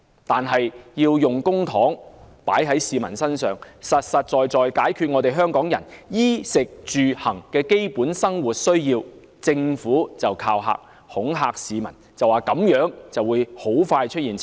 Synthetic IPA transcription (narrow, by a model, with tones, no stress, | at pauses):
t̪aː˨˩nɦɐ˨jjiː˧wjʊ˨ŋkʊ˥ŋt̪ʰɔː˨˥ŋ | paː˨˥jɦɐ˨˥jsiː˨mɐ˨˩nsɐ˥nsœː˨ŋsɐ˨t̚sɐ˨t̚t͡ʃɔː˨jt͡sɔː˨jkaː˨˥jkʰyː˧t̚ŋɔː˨˧t̪e˨jɦœː˥ŋkɔː˨˥ŋjɐ̰˨˩njiː˥sɪ˨k̚t͡ʃyː˨hɐ˨˩ŋkɛː˧ke˥jpuː˨˥nsɐ˥ŋwuː˨˩t̚sɵ˥ɥjiː˧w | t͡sɪ˧ŋfuː˨˥t͡sɐ˨wkʰaː˧wɦa̰ː˧˥k̚ | hʊ˨˥ŋɦaː˧k̚siː˨˧mɐ˨˩nt͡sɐ˨waː˨˩kɐ˨˥mjœː˨˥ŋt͡sɐ˨wuː˨˧jho˨˥wfaː˧jt͡ʃʰɵ˥t̚jiː˨˩n